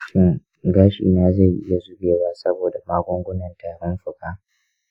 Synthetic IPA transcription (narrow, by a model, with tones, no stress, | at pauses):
ʃɪ˦˨ŋ | ɡaː˦ʃḭː˨naː˦za˦˨jʔɪ̰˦ja˨zʊ˦bʲeː˨waː˦sɐ˦boː˨da˨maː˦ɡʷʊ˦ŋɡʷʊ˦nɐ˨ntaː˨ɽɔ˦nɸʊ˨kaː˦